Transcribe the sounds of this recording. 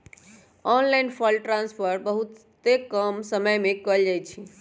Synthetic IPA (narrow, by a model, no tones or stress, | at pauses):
ɔnlajnpʰɔlʈɾãnspʰəɾbəɦut̪ | ekəmsəməjmekəld͡ʒajt͡ʃʰi